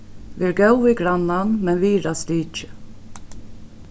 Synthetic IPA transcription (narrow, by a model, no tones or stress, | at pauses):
ʋiæɾɡœwiɡɾanːanmɛnʋiːɾast̪iːt͡ʃɪ̥